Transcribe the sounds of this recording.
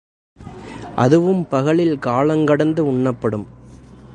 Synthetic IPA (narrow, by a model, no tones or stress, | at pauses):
ʔɐðɯʋɯmpɐɣɐɭɪlkaːɭɐŋɡɐɽɐnd̪ɯʊɳːɐpːɐɽɯm